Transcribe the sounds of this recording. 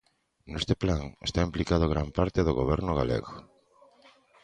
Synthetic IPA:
nest̪eplaŋest̪aimplikað̞ʊɣɾampaɾt̪eðoɣoβɛɾnʊɣa̰lḛɣo

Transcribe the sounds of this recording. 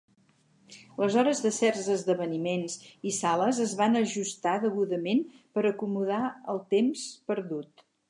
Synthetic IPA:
ləzɔɾəzðəsɛrzəzðəβənimenzisaləzəzβanəʒust̪aðəɣuðəmenpəɾəkumuðaəlˠt̪emspəɾðut̪

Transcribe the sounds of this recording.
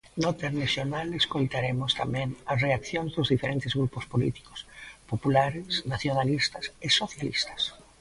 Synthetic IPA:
not̪eɾnesonaleskojt̪aɾemʊst̪a̰mɛ̃ŋɐsreakθjõŋzðozðifeɾent̪ɪzɣɾupospolḭt̪i̥ko̥spopulaɾɪsnaθjonalist̪ɐsesoθjalḭst̪ḁs

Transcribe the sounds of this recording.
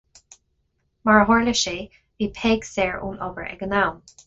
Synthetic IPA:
maɹɦɔɹləʃe | viːpʰɛːɡsɛːɹṵːnɔbəɹɛ̰ɡənawm

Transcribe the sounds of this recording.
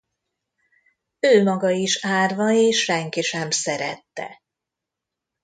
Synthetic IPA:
øːmɒɡɒiʃaːrvɒeːʃʃɛŋkiʃɛmsɛɾɛt̪ːɛ̰

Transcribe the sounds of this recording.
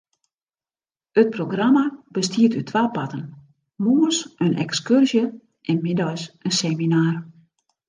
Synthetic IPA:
ət̚proɡramab̥əstʰiətytʰʋaːpatən | muːəsənʔɛ̰kskørzjə | ʔɛnmɪdɔjsənseminaːr

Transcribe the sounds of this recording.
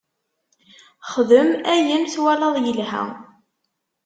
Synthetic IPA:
χðəmæjənθwælɑðˤjəlhæ̰

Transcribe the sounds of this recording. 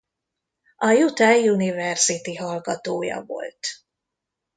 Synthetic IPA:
ʔɒjut̪ɛunivɛrzit̪iɦɒlɡɒt̪oːjɒ̰vo̞̰lt̪

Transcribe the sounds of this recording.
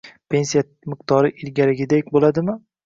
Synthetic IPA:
pʰe̞nsija | mɪq̚t̪ʰɒɾɪʔɪlɡʲaɾɪɡʲɪd̪ekʲbolad̪ɪmɪ

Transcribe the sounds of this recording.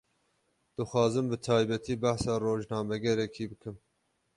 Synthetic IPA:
d̪̥ɨxʷɑːzɨmbɨt̪ʰɑːjbɛt̪ʰiːbæhsɑːroːʒnɑːmɛɡɛɾɛkʰiːbɨkʰɨm

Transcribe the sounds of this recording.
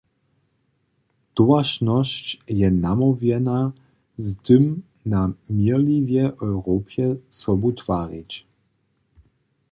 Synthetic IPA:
t̪ɔaʃnɔst͡ɕjɛnamɔvjɛna | zd̪ɨm | namilivjɛʔɔwɾɔːpjɛsɔbut̪v̥aːɾit͡ɕ

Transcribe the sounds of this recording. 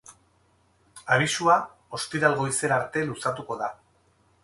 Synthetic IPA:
aβisua | o̞st̪iɾalɣo̞ise̞ɾaɾt̪e̞lusat̪uko̞ða

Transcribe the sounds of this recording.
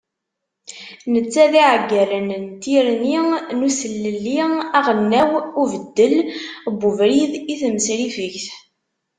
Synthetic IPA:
nət͡sːæðiʕɡːælənnt̪iɾninusəlːəlːiæʁənːæwuvəd̪ːəlbːʊvɾiðiθməsɾifəçθ

